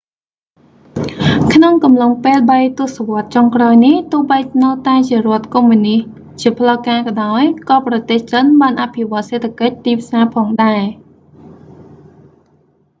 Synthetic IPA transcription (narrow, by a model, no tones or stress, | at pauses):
kʰnoŋkɑmloŋpeːlɓəjt̪ʊ̆əhsaʋŏət̪̚t͡ɕoŋkraɔjniht̪ʊ̆əhɓəjnəwt̪aɛt͡ɕiərŏət̪̚komːunih | t͡ɕiəpʰləkaːkɑɗaɔjkɑːprɑt̪eːht͡ɕənɓaːnʔapʰiʋoət̪̚seːt̪ʰːakəc̚t̪iːpʰsaːpʰɑːŋɗaɛ